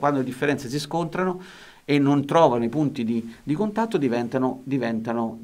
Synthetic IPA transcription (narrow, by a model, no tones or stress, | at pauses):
kwand̪oled̪ifːeɾɛnt̪ses̬iskont̪ɾano | enːont̪ɾɔːvanoipunt̪id̪id̪ikont̪at̪ːod̪ivɛnt̪anod̪ivɛnt̪ano